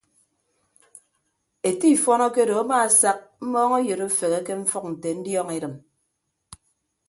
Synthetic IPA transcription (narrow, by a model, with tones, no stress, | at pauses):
e˨ti˦˨fɔ˦nɔ˦ke˦do˨a˦ma˦˨a˨sa˦k̚m̩˦mɔː˦ŋe˦jɨ˨ɾo˦fe˨ɣe˦ke˦ɱ̩˦fɔ˦k̚n̩˨te˨n̩˦djɔ˦ŋe˨ɾɨ˨m